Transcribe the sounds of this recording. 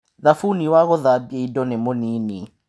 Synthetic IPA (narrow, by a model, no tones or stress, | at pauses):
ðafuniwaɣɔðabjeidɔnɛmoniːni